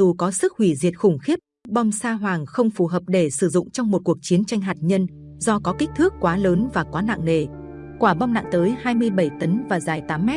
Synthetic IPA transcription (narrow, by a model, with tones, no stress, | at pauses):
zu˨˩kɔ˨˦sɨ˦˥k̚hwi˧˩zḭ˨˩ət̚xʊ˧˩ŋ͡mxi˦˥əp̚ɓɔ˧wŋ͡msaː˧ɦwaː˨˩ŋxə˧wŋ͡mfu˨˩ɦəː˨˩p̚ɗe˧˩sɨ˧˩zʊ̰˧˨ŋ͡mt͡ɕɔ˧wŋ͡mmo˨˩t̚ku˨˩ək̚t͡ɕi˨˦ənt͡ɕa˧jŋ̟ɦaː˨˩t̚ɲə˧n | zɔ˧kɔ˨˦kï˦˥k̚t̪ʰɨ˦˥kːwaː˨˦ləː˨˦nvaː˨˩kwaː˨˦na̰ː˧˨ŋne˨˩ | kwaː˧˩ɓɔ˧wŋ͡mna̰ː˧˨ŋt̪əː˨˦jhaː˧jmɨ˧əjɓə˧˩jt̪ə˨˦nvaː˨˩zaː˨˩jt̪aː˨˦mːɛ˦˥t̚